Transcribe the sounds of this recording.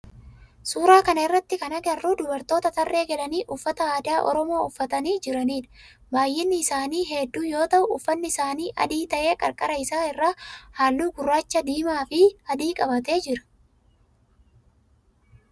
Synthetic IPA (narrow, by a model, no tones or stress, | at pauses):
suːɾaːkɐnɐɪrːɐt̪ːɪkɐnɐɡɐrːuːd̪ʊbɐɾt̪o̞ːt̪ɐt̪ɐrʔe̞ːɡɛlɐniːʔʊfːɐt̪ɐaːd̪aːʔɔ̰ɾɔmo̞ːʊfːɐt̪ɐniːd͡ʒɪɾɐniːᶑɐ̥ɐ | baːjːɪnːɪːsaːniːɦɛd̪ːuːjo̞ːt̪ɐʔʊʔʊfːɐnːɪɪsaːniːʔɐ̰d̪iːt̪ɐʔe̞ːkʼɐɾkʼɐɾɐɪsaːɪrːaːhaːlːuːɡʊrːaːt͡ʃːɐd̪iːmaːfɪɐd̪iːkʼɐbɐt̪e̞ːd͡ʒɪɾɐ̥